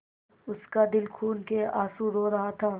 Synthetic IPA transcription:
ʊskad̪ɪlkʰuːnkeaːsuɾoːɾɐɦat̪ʰaː

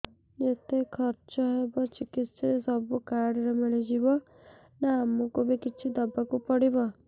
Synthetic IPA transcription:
jet̪ekʰɔɾt͡ʃɔɦebɔt͡ʃikit̪sɔɾesɔbukaɽɔɾemiɭid͡ʒibɔ | naːmukubikit͡ʃʰid̪ɔbakupɔɽibɔ

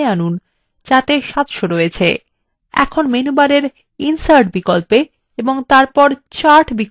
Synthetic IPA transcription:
anun | t͡ɕat̪eʃat̪ʃoɾojet͡ɕʰḛ | ɛ̰kʰonmenubaɾeɾ | insaɾʈ̚bikolpe | eboŋt̪aɾpɔɾt͡ɕaɾʈbik

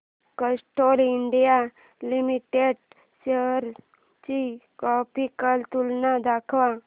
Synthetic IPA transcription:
kəsʈoliɳɖija | limiʈeɖ | ɕeɦɾ | t͡ɕikɔpikəlt̪ulnad̪akʰʋa

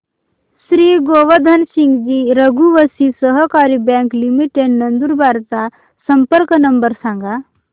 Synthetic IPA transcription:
sɾiːɡoːʋəd̪ʱɐnsĩŋɡd͡ʒiːɾəɡuʋəsisəɦəkaːɾibɛ̃ːŋklimiʈeɖnɐnd̪uɾbʱaːɾt̪a | sɐmpəɾknɐmbəɾsãːŋɡa

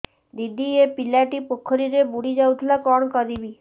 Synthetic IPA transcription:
d̪id̪ʱiepilaʈipokʰɔɾiɾebuɽid͡ʒaut̪ʰlakɔɽ̃kɔɾibi

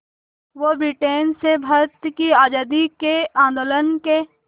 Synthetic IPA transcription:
ʋobɾiʈeːnsebʱɐɾt̪kiaːd͡ʒaːd̪ikeãːnd̪oːlənke

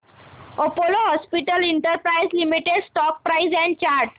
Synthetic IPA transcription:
opoloɦɔspiʈəliɳʈəɾpɾaizlimiʈeɖsʈɔk̚pɾaizɛ̃ɳɖ̚t͡ɕaɾʈ

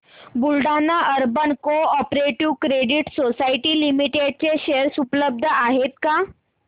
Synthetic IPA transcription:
bulɖanːaʔəɾbənkoɔpɾeʈiʋkɾeɖiʈsosaiʈiːlimiʈeɖ̚t͡ɕeɕeəɾsupləb̚d̪ʱəaɦet̪ka

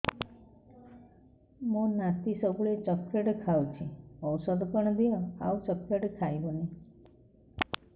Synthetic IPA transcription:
mũnat̪isɔbuɭet͡ʃɔkːeʈkʰawt͡ʃʰiɔwsɔd̪ɔpɔɽ̃ɔbijɔa̰wt͡ʃɔkeʈkʰajbɔni

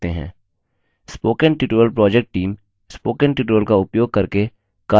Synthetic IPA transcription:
t̪eɦɛ̰̃ː | spoːkənʈjuːʈuəlpɾɔːd͡ʒek̚ʈʈiːm | spoːkənʈjuːʈʋəlkaʊpjoːɡ̚kɐɾke | kaː

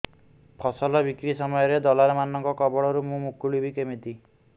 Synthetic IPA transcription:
pʰɔsɔlɔbikɾisɔmɔjɔɾed̪ɔlaɾemanɔŋkɔkɔbɔɽɔɾumũmukuɭibʱikemit̪i

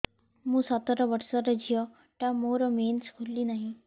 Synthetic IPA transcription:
mũːsat̪əɾɔʋəɾsɔɾəd͡ʑijɔ | ʈjamoɾɔmenskʰulːinaɦĩ

